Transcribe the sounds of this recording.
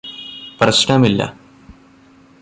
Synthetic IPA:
prɐɕɳɐmilːɐ̰

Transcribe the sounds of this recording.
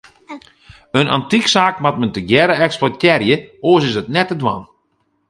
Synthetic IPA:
əna̰ntiksaːkmat̚məntəɡjɛɾəɛksplɔtjɛrjəoːəs̬ɪsətnɛtədwan

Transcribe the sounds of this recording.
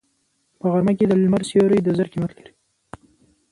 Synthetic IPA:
pəɣaɾmaked̪əllmaɾsjoɾəjd̪əzəɾkimat̪liɾi

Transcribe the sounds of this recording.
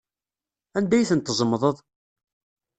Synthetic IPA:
ænd̪æjθənt̪ːəzˤəmðˤəðˤ

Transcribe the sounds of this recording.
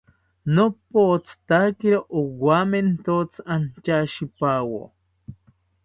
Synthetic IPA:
nopot͡st̪akiɾoʔowament̪ot͡sant͡ʃaʃipawo̰

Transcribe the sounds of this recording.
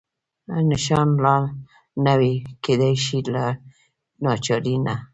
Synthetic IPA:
nɪʃɑnlɑ | naweked̪ajʃila | nɑt͡ʃɑɾina

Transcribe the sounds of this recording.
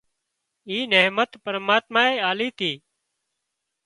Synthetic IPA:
iːneːmət̪pəɾmaːt̪maːeːaːliːt̪ʰiː

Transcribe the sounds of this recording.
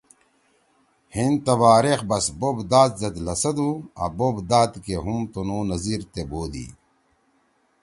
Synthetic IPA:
hint̪ɐwaːɾexbɐsbobd̪aːt̪̚zɐd̪lɐsɐd̪uɐ̰bobd̪aːt̪keɦumt̪onoːnɐziːɾt̪eboːd̪ḭː

